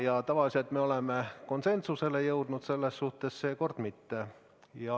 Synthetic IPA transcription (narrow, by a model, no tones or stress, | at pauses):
jɑt̪ɑʋɑliselt̪meo̞lemːeko̞nse̞nt̪suse̞lejɤwd̪̥nut̪se̞lːesːuht̪e̞sseːko̞rd̪̥mit̪ːe | jɑ